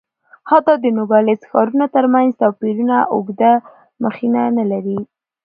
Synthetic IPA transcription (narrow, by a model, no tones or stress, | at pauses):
hat̪ɑd̪ənoɡɑlɪsxɑɾunot̪əɾmanzt̪ɑpiɾunaʔʊɡd̪a | məxinanalaɾi